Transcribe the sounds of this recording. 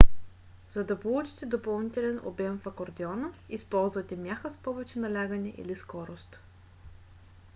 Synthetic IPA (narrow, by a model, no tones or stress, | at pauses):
zɐd̪ɐpolˠut͡ʃi̥t̪ɛd̪opɐlˠnit̪ɛlɛno̰bʲɛmfɐkoɾd̪ɛɔnəispɔlˠzvɐt̪ɛmʲjaxəspɔvɛt͡ʃɛnɐlʲaɡənɛʔḭliskɔɾost̪